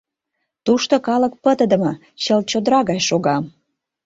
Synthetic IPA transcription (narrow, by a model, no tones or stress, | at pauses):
t̪uʃt̪okɑlək̚pət̪əd̪ə̆mə | t͡ɕəlt͡ɕod̪əɾɑɣɑjʃoɣɑm